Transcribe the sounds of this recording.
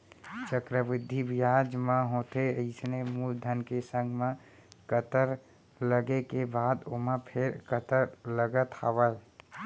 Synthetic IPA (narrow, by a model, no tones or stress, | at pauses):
t͡ʃəkɾəbɪd̪ʱːibɪjaːd͡ʒmẽɦõːt̪eəɪsnemuːld̪ʱənkesə̃ŋɡʱmẽ | kət̪əɾ | ləɡekebaːd̪omə̃pʰɪɾkət̪əɾləɡət̪a̰ːʋəl